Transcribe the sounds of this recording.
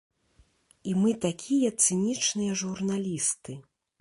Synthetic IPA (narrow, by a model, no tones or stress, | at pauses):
imɨt̪akʲʰijɐt̪sɨnʲit͡ʂnɨjɐʐurnalʲist̪ɨ